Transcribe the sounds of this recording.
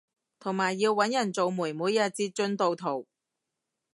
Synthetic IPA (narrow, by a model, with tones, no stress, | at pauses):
t̪ʰo˨˩ŋmaː˨˩jːiː˧wːɐ˨˥njɐ˨˩nt͡so˨˧wmuː˨˩jmuː˨˥jɐ˧t̚t͡siː˧t͡ʃɵ˧nt̪o˨˧wt̪ʰo˨˩w